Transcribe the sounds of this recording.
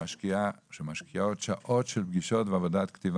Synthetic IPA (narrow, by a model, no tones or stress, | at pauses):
aʃkiaʃemaʃkijaod̪ʃaʔotʃelbɡiʃo̞tveavodat̪kt̪iv